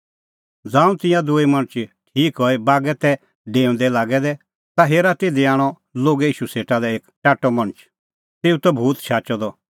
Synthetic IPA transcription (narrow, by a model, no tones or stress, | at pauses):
d͡zãːũt̪ɪ̃jãd̪uimɐ̃ɽ̃t͡ʃʈʰiːkɦɔibaːɡɛt̪ɛ | ɖeːʊ̃nd̪ɛlaːɡɛd̪ɛ | t̪aɦeːɾat̪ed̪eaːɽ̃ɔ | loːɡɛiːʃuseːʈad̪ɛeːkʈaːʈːɔmɐ̃ɽ̃t͡ʃ | t̪eːut̪ɔbʱuːt̪ʃaːt͡ʃɔd̪ɔ